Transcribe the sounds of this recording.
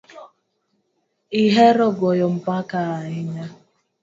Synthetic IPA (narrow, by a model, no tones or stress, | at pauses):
iɦeɾɔɡɔjɔm̩pakaaɲɪɲa